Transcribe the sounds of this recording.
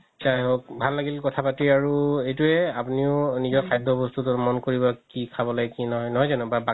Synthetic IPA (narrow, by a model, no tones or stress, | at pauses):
sajɦokbʱalːaɡilkɔtʰapatiaɹuejtuɛapuniʊnizɔɹxʰajdʱɔbɔstutʊmɔnkoɹibɔkikʰabɔlakinɔɦɔjnɔɦɔjzanʊbaba